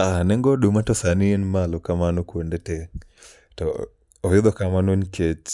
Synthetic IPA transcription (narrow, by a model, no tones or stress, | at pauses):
anɛŋɡɔɗumatɔsanɪenmalokamanokwondete | tɔː | jɪd̪ɔkamanonket͡ʃ